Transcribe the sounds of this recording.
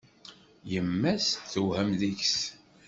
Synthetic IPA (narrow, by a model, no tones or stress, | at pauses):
jəmːæsθəhæmðiçs